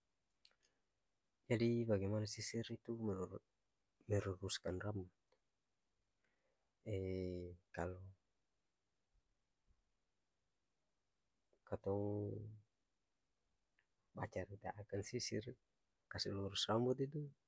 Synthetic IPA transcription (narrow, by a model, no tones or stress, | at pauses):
d͡ʒadibaɡɛmanasisirit̪u | mɛɾuɾuskanrambɔt̪̚ | ɛ | kalɔ | kat̪ɔŋ | bat͡ʃaɾit̪a̰ʔakansisir | kasɛluɾusrambɔt̪̬it̪u